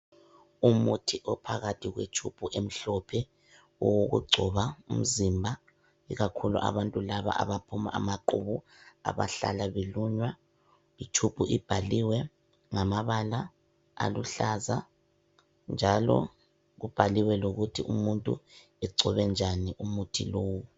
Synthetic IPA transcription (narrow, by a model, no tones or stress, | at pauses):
umutʰiʔɔpʰaɣatʰiɣwet͡ʃʰub̥ʱuʔem̩ɬɔpʰɛ | ɔwoɣṵɡ͡ǀʱɔβaum̩zimbʱa | iɣakʰulṵʔa̰βantʼulaβa̰a̰βapʰuma̰ʔamaǃuβu | a̰βa̰ɬa̰laβeluɲwa | it͡ʃʰub̥ʱuʔib̥ʱaliwɛ | ŋamaβala̰ː | luɬaza | nd͡ʒʱalɔ̰ | ɣub̥ʱaliwɛloɣutʰiʔumuntʼṵ | ɛǀʱɔβɛnd͡ʒʱaniʔumutʰḭloːwɔ